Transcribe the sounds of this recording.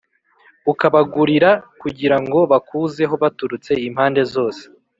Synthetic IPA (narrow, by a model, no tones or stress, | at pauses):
ukaβaɡuɾiɾakuɟiɾaŋɡo̞βakuːze̞ɦo̞βatuɾut͡se̞im̥haːnde̞zo̞ːse̥